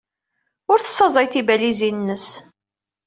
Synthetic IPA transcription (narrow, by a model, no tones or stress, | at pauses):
ʊɾθə̥sːɑzˤɑjθibælizinnːəs